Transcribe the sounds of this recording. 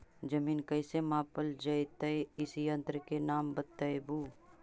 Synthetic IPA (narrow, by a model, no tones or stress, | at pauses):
d͡ʒɐmiːnkɐɪsemãːpəld͡ʒɐjt̪ɐeɪsiɐ̃nt̪ɾkenaːmbət̪ːəjbuː